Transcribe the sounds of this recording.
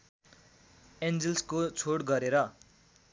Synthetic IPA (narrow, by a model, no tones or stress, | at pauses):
end͡zelskot͡sʰoɽɡʌɾeɾʌ